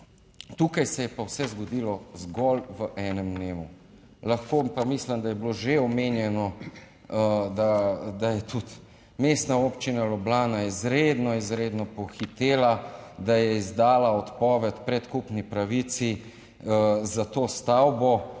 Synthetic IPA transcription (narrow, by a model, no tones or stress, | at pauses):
t̪uːkajsɛjɛpawsɛzɡɔd̪ilɔzɡɔlʋəʔɛːnɛmd̪neːmu | laxkoːpamisləmd̪ajɛbloʒeɔmeːnjɛnɔ | d̪ad̪ajɛt̪ut̪ | mest̪naoːpt͡ʃinalɔblaːnaizɾed̪nɔizɾeːd̪nɔpɔxit̪eːlad̪ajɛizd̪aːlaɔt̪pɔːʋɛt̪pɾɛt̪kupnipɾaʋit̪si | zat̪oːst̪awbɔ